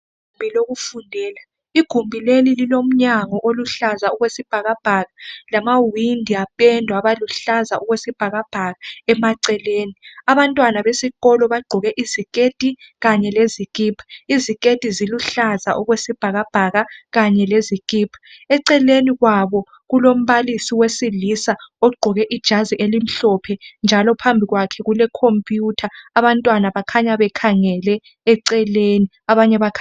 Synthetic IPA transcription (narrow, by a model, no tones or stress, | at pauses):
ɡʱumbʱiloɣufundʱɛːla | iɡ̥ʱumbʱilelililom̩ɲaŋɔʔoluɬazauɣwesib̥ʱaɣab̥ʱaɣalamawindʱiapʼɛndʱwaβaluɬazaʔuɣwesib̥ʱaɣab̥ʱaɣaɛmaǀɛleːniaβantʼwanaβesiɣɔlɔβaɡ͡ǃʱɔɣɛʔizikʼetʼiɣaɲɛlezikʼipʰizikʼetʼiziluɬazaʔɔɣwesib̥ʱaɣab̥ʱaɣaɣaɲɛlezikʼipʰɛǀɛleniɣwaβɔ | ɣulom̩βalisiwesilisaɔɡ͡ǃʱɔɣɛʔid̥ʒ̥ʱaziʔelim̩ɬɔpʰɛnd͡ʒʱalɔpʰambʱiɣwakʰɛɣulɛkʰompʼjutʰaːβantʼwanaβakʰaɲaβɛkʰaŋɛlɛː | ǀɛleni | aβaɲɛβakʰa